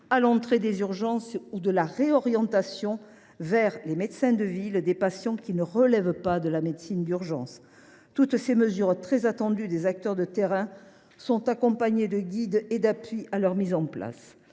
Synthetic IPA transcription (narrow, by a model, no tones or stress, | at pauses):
alɑ̃t̪χed̪ezyʁʒɑ̃sud̪əlaʁeɔʁjɑ̃t̪asjɔ̃ | vɛʁlemed̪sɛ̃d̪əvild̪epasjɑ̃kʲinəʁəlɛvpad̪əlamed̪sind̪yʁʒɑ̰̃s | t̪ut̪seməzyʁt̪χɛzat̪ɑ̃d̪yd̪ezak̚t̪œʁd̪ət̪eʁɛ̃ | sɔ̃t̪akɔ̃paɲed̪əɡʲid̪ed̪apɥiʔalœʁmizɑ̃pla̰s